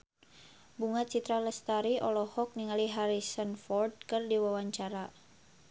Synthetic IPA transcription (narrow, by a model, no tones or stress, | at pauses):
buŋat̪̚t͡ʃit̪ɾaləst̪aɾiɔlɔhɔk̚niŋaliɦaɾisənfɔrd̚kərdiwawaɲt͡ʃaɾa